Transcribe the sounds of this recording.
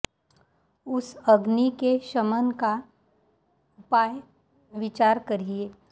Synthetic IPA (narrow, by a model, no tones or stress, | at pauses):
ʊsɐɡnikeʃəmənka | ʊpaːj | ʋɪt͡ʃaːɾkɐɾieː